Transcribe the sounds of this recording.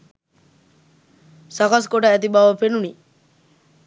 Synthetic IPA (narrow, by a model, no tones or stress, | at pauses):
sakaskoʈaːt̪̬ibaʋəpenuni